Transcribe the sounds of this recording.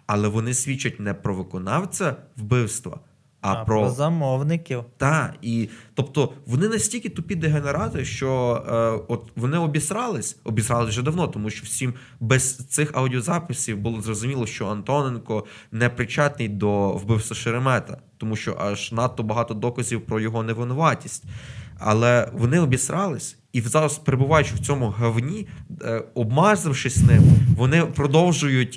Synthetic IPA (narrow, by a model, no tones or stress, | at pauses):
ɐlˠɛʋɔnɪsʲʋʲit͡ʃːɐt̚ʲnɛpɾɔʋɪkɔnɑwt͡sʲɐwbɪwst̪ʋɐ̰ | ɐpɾɔzɐmɔwnɪkʲiwt̪ɑit̪ɔpt̪ɔʋɔnɪnɐsʲtʲilʲkʲit̪ʊpʲid̪eɦeneɾɑt̪ɪʃt͡ʃɔ | ɔt̪ʋɔnɪɔbʲisɾɑlˠɪsʲɔbʲisɾɑlˠɪsʲʒɛd̪ɐwnɔt̪ɔmuʃt͡ʃɔwsʲim | bɛz̥t̪sɪxɐwdʲiɔzɑpɪsʲiwbʊlˠɔzrɔzʊmʲilˠɔʃt͡ʃɔɐnt̪ɔnenkɔ | nɛpɾɪt͡ʃɑt̪nɪjd̪ɔwbɪwsɐʃeɾemɛt̪ɐt̪ɔmuʃt͡ʃɔ̰ʔɑʒnɑt̪ːɔbɐɦɑt̪ɔd̪ɔkɐzʲiwpɾɔjɔɦɔneʋɪnʊʋɑtʲisʲtʲɐ̰lˠɛʋɔnɪɔbʲisɾʔɑlˠɪsʲ | iwzɑɾɐspeɾebʊʋɑjʊt͡ʃɪwt͡sʲɔmʊɦɐwnʲi | ɔbmɑzɪwʃɪsʲnɪmʋɔnɪpɾɔd̪ɔwʒʊjʊtʲ